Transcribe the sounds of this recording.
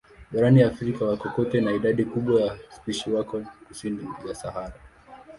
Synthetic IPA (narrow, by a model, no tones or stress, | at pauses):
ɓaɾaniafɾikawakɔkɔtɛnaiɗaɗikuɓwajaspiʃiwakɔkusinijasahaɾa